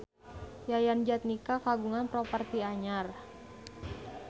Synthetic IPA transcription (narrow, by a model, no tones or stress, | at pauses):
jajand͡ʒat̪̚nikakaɡuŋanpɾɔpərt̪iaɲar